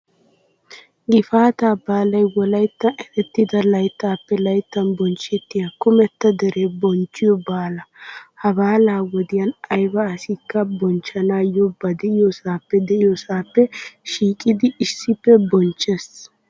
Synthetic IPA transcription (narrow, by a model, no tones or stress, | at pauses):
ɡɪfaːt̪aːbaːlɐjwɔlɐjt̪ːɐɛʔ̪ɛt̪ːɪd̪ɐlɐjt̪ːaːpːɛlɐjt̪ːɐnbɔnt͡ʃːɛt̪ːɪjɐkʊmɛt̪ːɐd̪ɛɾeːbɔnt͡ʃːɪjɔbaːlɐhɐbaːlaːwɔd̪ɪjɐnɐjbɐːsɪkːɐbɔnt͡ʃːɐnaːjɔbɐd̪ɛʔɪjɔsaːpːɛd̪ɛʔɪjɔsaːpːɛʃiːkʼɪd̪ɪɪsːɪpːɛbɔnt͡ʃːɛs